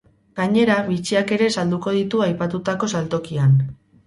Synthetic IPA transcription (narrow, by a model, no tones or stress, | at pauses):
ɡaɲe̞ɾaβit͡siake̞ɾe̞sald̪uko̞ð̞it̪uajpat̪ut̪ako̞salt̪o̞kian